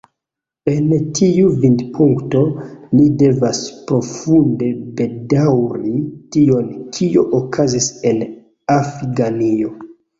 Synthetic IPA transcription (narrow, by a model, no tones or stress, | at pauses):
e̞ntʰiuvindpuŋkto̞nide̞vaspɾo̞funde̞be̞dawɾitio̞nkʰioʔokʰazise̞n | afɾiɡanio̞